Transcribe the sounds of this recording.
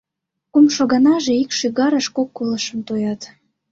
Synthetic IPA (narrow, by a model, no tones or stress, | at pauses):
kumʃoɣɑnɑʒeikʃyɣɑɾəʃkokːoləʃəmt̪ojɑt̪